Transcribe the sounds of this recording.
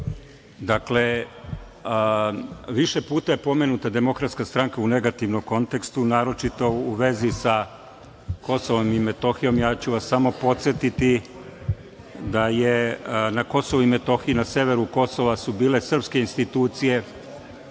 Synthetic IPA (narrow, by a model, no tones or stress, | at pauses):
d̪akle̞ | ʋiʃe̞puːt̪aje̞po̞me̞nut̪ad̪e̞mo̞kɾat̪skast̪ɾaŋkaune̞ɡat̪iʋnomko̞nt̪e̞kst̪unaːɾo̞t͡ʃit̪o̞uʋe̞zisa | ko̞soʋo̞mimet̪o̞xijo̞mjaːt͡ɕuʋasːamo̞po̞t̪sjet̪it̪i | d̪ajenako̞so̞ʋuime̞t̪o̞xijunaseːʋe̞ɾuko̞so̞ʋasubiːle̞sr̩pske̞inst̪it̪uːt̪sije̞